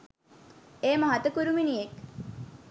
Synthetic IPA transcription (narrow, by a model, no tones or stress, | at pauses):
eːmɐɦat̪əkuɾuminijek